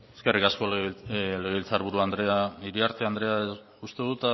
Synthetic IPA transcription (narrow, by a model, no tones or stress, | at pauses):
eskerikasko̞leɣeilt͡saɾβuɾuand̪ɾeaiɾiaɾt̪eand̪ɾe̞a | ust̪eðut̪a